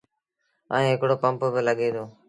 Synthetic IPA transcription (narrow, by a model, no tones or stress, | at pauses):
a̰ːĩːɦɪkɽoːpəmpbɪləɠeːd̪oː